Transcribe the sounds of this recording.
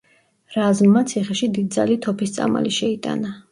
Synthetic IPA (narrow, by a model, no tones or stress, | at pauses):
ɾazmːat̪sʰiχɛʃid̪id̪̚d̪za̰lit̪ʰɔpʰist̪sʼa̰ma̰liʃɛit̪ʼa̰na